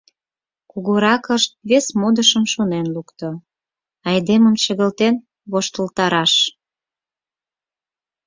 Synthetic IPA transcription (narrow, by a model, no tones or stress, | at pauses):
kuɣuɾɑkəʃt̪̚βesmod̪əʃəmʃonenlukt̪o | ɑjd̪eməmt͡ɕə̆ɣə̆lt̪en | βoʃt̪əlt̪ɑɾɑʃ